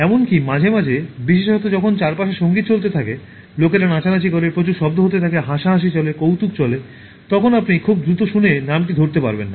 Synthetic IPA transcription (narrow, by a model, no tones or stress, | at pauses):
ɛmonkimad͡ʑʱemad͡ʑʱebiʃeʃɔt̪od͡ʑɔkʰont͡ɕaɾpaʃeʃoŋɡit̪t͡ɕolt̪̬et̪ʰake | lokeɾanat͡ɕalat͡ɕikɔɾeɾpɾot͡ɕuɾʃɔb̚d̪oɦot̪̬et̪ʰakeɦaʃaɦaʃ̬it͡ɕɔlekowt̪uk̚t͡ɕɔle | t̪ɔkʰonapnikʰub̚d̪ɾut̪oʃunenamʈid̪ʱoɾt̪epa̰ɾbenːa